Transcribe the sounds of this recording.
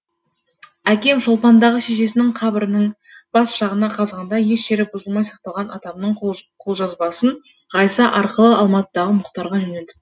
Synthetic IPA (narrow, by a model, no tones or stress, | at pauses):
ækʲe̞mʒolˠpɑnd̪ɑʁəʃe̞ʃe̞sɪnɪŋqʰɑbɪɾɪnəɴ | b̥ɑsʃɑʁənɑqʰɑzʁɑnd̪ɑje̞ʃʃe̞ɾɪbʊzəlˠmɑjsɑ̥q̚t̪ɑlˠʁɑnɑt̪ɑmnəɴqʰo̞lˠʒɑzbɑsən | ʁɑjsɑʔɑɾqəlˠəɑlˠmɑt̪əd̪ɑʁəmʊqt̪ɑɾʁɑʒɵned̪ɪ